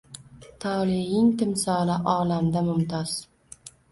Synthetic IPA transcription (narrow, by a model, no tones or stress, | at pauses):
t̪ʰɒːlɪjɪŋt̪ɪmsɒlaʔɒːlamd̪amʊmt̪ʰɒz̥